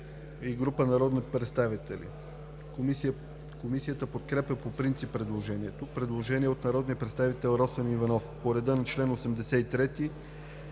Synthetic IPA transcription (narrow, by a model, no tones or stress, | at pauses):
iɡɾupənɐɾɔd̪nipɾɛt̪st̪avit̪ɛlḭ | komisijət̪əpot̪kɾɛpəpopɾint̪sipːɾɛd̪lˠoʒɛniɛt̪opɾɛd̪lˠoʒɛniɛot̪nɐɾɔd̪nijəpɾɛt̪st̪avit̪ɛlˠɾɔsənivɐnɔfpoɾɛd̪ɤnɐt͡ʃlɛnosɛmd̪ɛsɛit̪ɾɛt̪i